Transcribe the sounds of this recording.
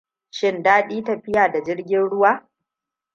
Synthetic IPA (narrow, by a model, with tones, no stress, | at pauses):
ʃɪ˦ndaː˦ɗiː˦tɐ˨ɸɪ˦jaː˨da˨d͡ʒɪ˦rɡʲɪ˦nɽʊ˦waː˦